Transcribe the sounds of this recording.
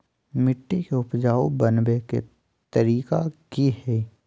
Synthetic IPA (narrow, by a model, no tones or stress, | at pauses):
mɪʈːikeʊpd͡ʒaːobənbekḛ | t̪əɾiːkakihɛ